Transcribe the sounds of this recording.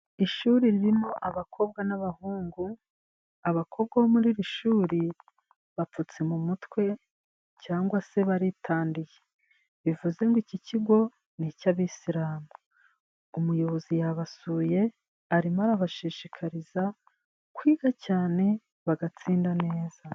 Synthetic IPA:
iʃuːɾiɾiɾimo̞ʔaβakʰo̞b̚ɡanaβahuːŋɡu | aβakʰo̞bɡahomuɾiɾiʃuːɾi | βap͡fut͡se̞mumutwe̞ | caːŋɡwase̞βaɾitʰaːndije̞ | βivuze̞ŋɡiciciɡo̞ | nicaβisiɾaːmu | umujo̞βo̞zijaβasuːje̞ | aɾimaɾaβaʃiʃikʰaɾiza | kwiːɡ̥acaːne̞ | βaɡat͡siːndane̞ːz̥a

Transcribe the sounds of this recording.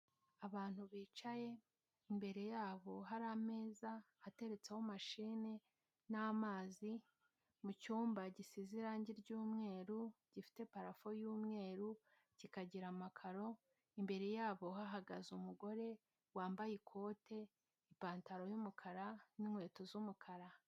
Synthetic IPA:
aβaːn̥huβiːt͡ʃaje̞ | imbe̞ɾe̞jaːβo̞ɦaɾame̞ːzahate̞ɾe̞t͡se̞ho̞maʃiːne̞ | namaːzi | mucuːmbaɟisiziɾaːɲɟiɾɟuːmŋe̞ːɾuɟ̥ifi̥te̞paɾafo̞juːmŋe̞ːɾu | cikaɟiɾamakʰaɾo̞ | imbe̞ɾe̞jaːβo̞ɦaɦaɡazumuɡo̞ɾe̞ | waːmbajikʰo̞ːte̞ | ipaːntaɾo̞jumukʰaɾaniŋwe̞ːto̞zumukʰaɾa

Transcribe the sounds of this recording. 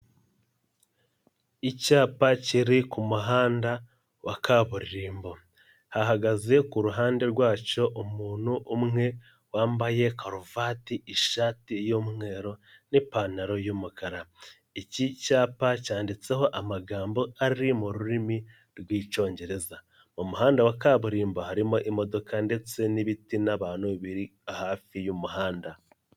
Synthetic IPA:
icaːpaciɾikumuɦaːnda | wakʰaːβuɾiɾiːmbo̞ | haɦaɡaze̞kuɾuɦaːnde̞ɾɡwaːt͡ʃo̞ʔumuːn̥huʔumŋe̞ | waːmbaje̞kaɾovaːtiiʃaːtijoːmŋe̞ːɾo̞nipanaɾo̞jumukaɾa | icicaːpacaːndit͡se̞ɦo̞ʔamaɡaːmbo̞aɾɾimuɾuɾimi | ɾɡwiːt͡ʃo̞ːɲɟe̞ɾe̞za | mumuɦaːndawakaβuɾiːmbahaɾimo̞ʔimo̞do̞kande̞t͡se̞niβitinaβaːnuuβiɾihaːfijumuɦaːnda

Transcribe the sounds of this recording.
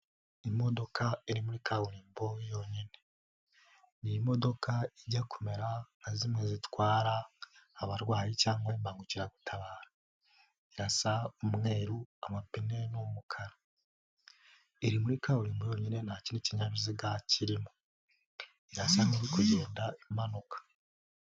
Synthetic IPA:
imo̞do̞kʰaiɾimuɾikʰauɾiːmbojo̞ɲine̞ | nimo̞do̞kʰaiɟakʰome̞ɾanazimwezitwaːɾahaβaɾwaːjicaːŋɡwembaːŋɡuciɾaɡutʰaβaːɾa | iɾasaumŋe̞ːɾua̰mapine̞nomukʰaɾa | eɾimuɾikauɾiːmbojo̞ɲine̞nacineciɲaɾuziɡaciɾimo | iɾasaniɾikuɟe̞ːndaimanokḁ

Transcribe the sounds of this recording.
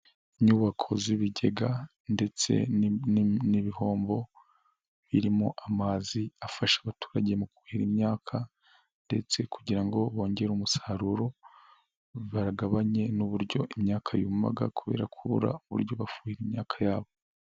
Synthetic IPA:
iɲuːβakʰo̞ziβiɟe̞ɡa | nde̞t͡se̞̰nniβiho̞ːmbo̞ | βiɾimoʔamaziafaʃaβatu̥ːɾaɟe̞muku̥hiɾimɲaːkʰa | nde̞t͡se̞kuɟiɾaŋɡo̞βo̞ːɲɟe̞ɾumusaːɾuɾo̞ | βaɾaɡaβaɲe̞nuβuɾɟo̞̰ʔimɲaːkʰajuːma̰ɡa̰kuβe̞̰ːɾakʰuβṵɾa̰uβṵɾɟo̞βafu̥hiɾimɲaːkʰḁjaːβo

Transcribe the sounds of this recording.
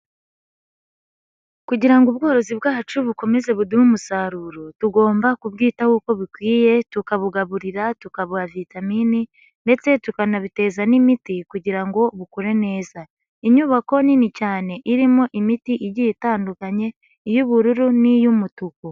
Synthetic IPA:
kuɟiɾaŋɡub̚ɡo̞ːɾo̞ziβɡaːt͡ʃuβuko̞me̞ze̞βudumumusaɾuːɾotuɡo̞ːmbakubɡiːtahuko̞βikwiːje̞tukaβuɡaβuɾiɾatukaβuavitamini | nde̞t͡se̞tukanaβite̞ːzanimitikuɟiɾaŋɡo̞βukoɾe̞ne̞ːza | iɲuːβako̞ninicaːne̞ʔiɾimo̞ʔimitiʔiɾɟijitaːndukaɲe̞ | ijuβuɾuɾunijumutuku

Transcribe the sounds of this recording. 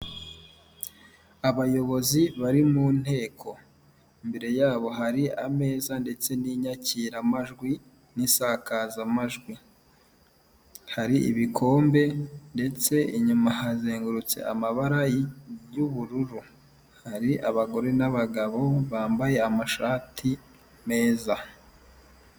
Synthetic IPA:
aβajo̞βo̞ziβaɾimuːn̥he̞ːkʰo̞ | imbe̞ɾe̞jaːβo̞ɦaɾiʔame̞ːzande̞t͡se̞niɲaciːɾamaʒɡwi | nisakazamaʒɡwi | haɾiḭβikʰo̞ːmbe̞nde̞t͡se̞iɲumaɦazeːŋɡuɾut͡sḛʔamaβaɾajijuβuɾuɾu | haɾiʔaβaɡo̞ɾe̞naβaɡaβo̞βaːmbaje̞amaʃaːtʰi | me̞ːza

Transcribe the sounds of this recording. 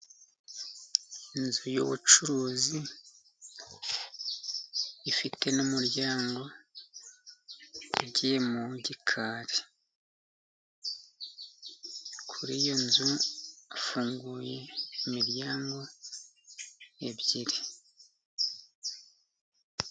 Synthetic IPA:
inzujo̰βut͡ʃuɾuːzi | ifite̞nomuɾjaːŋɡo̞ | ɾɟemuɟikʰaːɾi | kʰuɾiːjo̞nzuafuːŋɡuːje̞ːmiɾjaːŋɡo̞ | e̞βɟiɾi

